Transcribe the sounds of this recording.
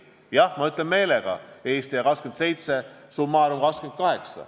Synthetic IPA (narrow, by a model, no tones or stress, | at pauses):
jɑhmɑyt̪ˑlemːe̞ːleɡ̥ɑ̰eːst̪ijɑkɑskend̪se̞jt̪se̞sumːɑɾomkɑsked̪̥̚kɑɦe̞ksɑ̰